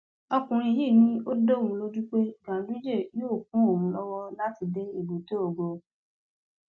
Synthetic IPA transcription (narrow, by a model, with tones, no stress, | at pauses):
ɔ˧kũ˨ɾ̃ĩ˧˦ji˦˨nĩ˦o˦do˦˨ũ˨˧lo˦d͡ʒu˦k͡pe˦ɡã˨˦bi˦d͡ʒe˦˨joː˦˨k̚ũ˨˦o˦˨wũ˨˦lɔ˦wɔ˦la˦ti˧de˦e˦˨bo˨to˦o˨ɡo˨